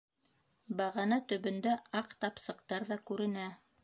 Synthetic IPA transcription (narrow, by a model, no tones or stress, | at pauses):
bɑʁɑnɑt̪ɵ̆βɵ̆nd̪æɑqt̪ɑpsɤ̆qt̪ɑɾðɑkʉɾɘ̆næ